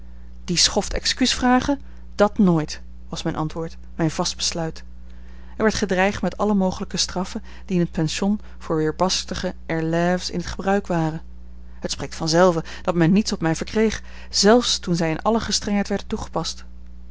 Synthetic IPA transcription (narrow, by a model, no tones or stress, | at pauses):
d̥isχɔftɛ̰kskysfraːχə | d̥ɑtnoːjt | ʋɑsmɛjnʔɑ̰ntʋʊːɹt | mɛjnv̥ɑsd̚bəslœɥt | ɛɹʋɛɹtχədrɛjχtmɛtɑləmowχələkəstrɑfə | d̥iɪnɦət̚pɛnʃɔn | v̥ʊːɹʋɪːɹbɑstəχəɛɹlɛfsɪ̰nɦətχəbrœɥkʋaːrən | hətsprejk̚tfɑnzɛlˠvə | d̥ɑtmɛnːitsɔpmɛjvəɹkrejχ | z̥ɛlˠfstunzɛjɪnʔɑ̰ləχəstrɛŋɦɛjtʋɛɹdəntuχə̥pɑst